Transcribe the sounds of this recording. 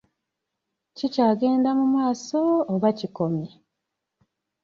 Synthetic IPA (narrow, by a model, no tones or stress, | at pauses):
cicaːɡe̞ːndamumaːso̞ːβaciko̞mje